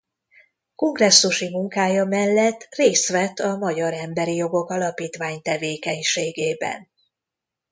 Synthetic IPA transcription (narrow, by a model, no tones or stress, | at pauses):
ko̞ŋɡrɛsːuʃimuŋkaːjɒmɛlːɛt̪ːreːst̪ʋɛt̪ːɒmɒɟɒɾɛmbɛɾijo̞ɡo̞kɒlɒpiːt̪ʋaːɲt̪ɛveːkɛɲʃeːɡeːbɛ̰n